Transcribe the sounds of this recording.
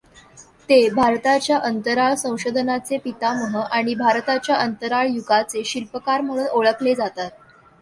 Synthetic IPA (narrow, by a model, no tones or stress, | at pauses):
t̪ebʱaɾt̪at͡ɕjaʔənt̪əɾaɭsə̃w̃ɕod̪ʱənat͡sepit̪aməɦəʔaɽ̃ibʱaɾt̪at͡ɕjaʔənt̪əɾaɭjuɡat͡seɕilpəkaɾməɭunoɭəkled͡zat̪at̪̚